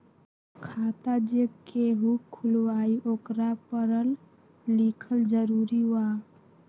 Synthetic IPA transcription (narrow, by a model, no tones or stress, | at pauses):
kʰaːt̪ad͡ʒekeɦukʰːulʋaːiʔoːkɾapəɾəl | likʰəld͡ʒəɾuɾiwa